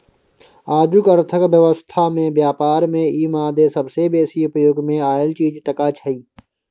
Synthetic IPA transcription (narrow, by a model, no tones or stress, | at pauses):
aːd͡ʒ̪ukəɾt̪ʰəkʋjəʋəst̪ʰamẽbjaːpaːɾmẽiːmãːd̪esɐbsebeːsiʊpəjoːɡmẽaːjəlt͡ʃiːd͡ʒʈɐkaːt͡ʃʰəiː